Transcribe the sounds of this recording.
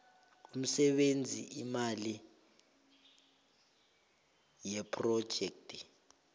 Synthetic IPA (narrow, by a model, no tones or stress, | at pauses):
um̩sɛɓend͡zʱḭʔimali | jɛpʰʼrɔd̥ʒ̥ʱɛk̚tʼi̥